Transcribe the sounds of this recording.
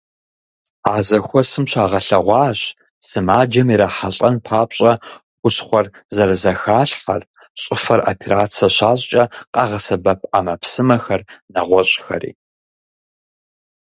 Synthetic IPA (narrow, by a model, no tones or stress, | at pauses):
aːzɐxʷɔsɨmɕaːʁɐɬɐʁʷɑːɕ | sɨmaːd͡ʒɐmiɾaħaɬʼɐnpʰaːpɕʼɐxʷʊsχʷɔrzɐɾɐzɐxaːɬħɐr | ɕʼɪfɐra̰pʰeɾaːt͡sʰɐɕaːɕʼt͡ʃʼɐqʼɑʁɐsɐbɐp̚ʰamɐpsɨmɐxɐrnɐʁʷɔɕʼxɐ̰rḭː